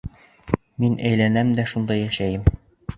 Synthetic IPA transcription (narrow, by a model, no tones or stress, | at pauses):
minʔæjlænæmd̪æʃund̪ɑjæʃæjɘm